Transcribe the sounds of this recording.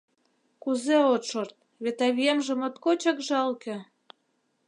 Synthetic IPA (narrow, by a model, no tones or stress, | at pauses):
kuzeot̪ʃort̪̚ | βet̪ɑβijemʒə̆mot̪kot͡ɕɑkʒɑlkĕ